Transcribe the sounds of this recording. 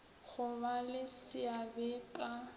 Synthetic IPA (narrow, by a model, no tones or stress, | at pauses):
ɣʊbalɪsɪabɛkʼa